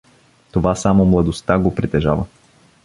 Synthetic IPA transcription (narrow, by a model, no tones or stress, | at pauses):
t̪ovasamomlˠɐd̪ost̪aɡopɾit̪ɛʒavə